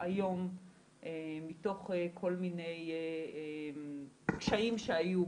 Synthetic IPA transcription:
ajo̞m | ʔemito̞χekʰo̞lmine̞jee | kʃaimʃeaju

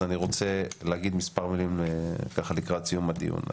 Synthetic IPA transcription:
aniʁo̞t͡se̞leaɡid̪mispaʁmilimekaχalikʁat͡sijumad̪ḭṵn

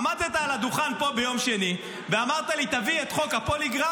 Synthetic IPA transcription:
mad̚t̪et̪aːlad̪uχanpo̞bejo̞mʃe̞ni | veamaʁt̪alit̪aviet̪χo̞kapo̞liɡʁa

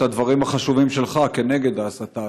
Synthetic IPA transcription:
ad̪vaʁimaχaʃuvimʃe̞lχake̞ne̞ɡe̞d̪aːsat̪a

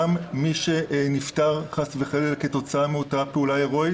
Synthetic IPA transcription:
amːiʃeniftaʁχasveχelelke̞to̞t͡saameutapeulaeʁo̞j

